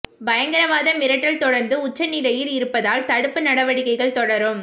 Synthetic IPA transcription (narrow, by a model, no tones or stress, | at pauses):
bɐjɐŋɡɐɾɐʋaːðɐmɪɾɐʈːɐlt̪ɔɽɐɾnd̪ɯʊt͡ʃːɐnːilɐjɪlɪɾɯpːɐðaːlt̪ɐɽɯpːɯnɐɽɐʋɐɽɪɣɐɪɣɐɭt̪ɔɽɐɾɯm